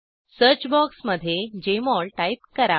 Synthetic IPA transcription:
səɾt͡ɕbɔksməd̪ʱːjed͡ʑemɔɭʈaip̚kəɾa

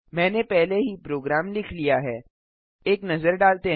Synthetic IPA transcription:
mɛ̃ːnepɛɦleɦipɾoːɡɾaːmlɪkʰlijaɦɛː | eːknɐzəɾɖaːlt̪e

